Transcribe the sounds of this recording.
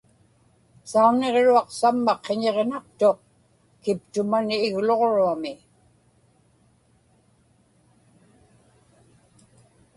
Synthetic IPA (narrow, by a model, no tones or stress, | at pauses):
saune̞ʁɻuɑqsamːɑqʰːeɲe̞ʁnak̚t̪oq̚ | kɪp̚t̪ʊmanːɣloʁɻuamɪ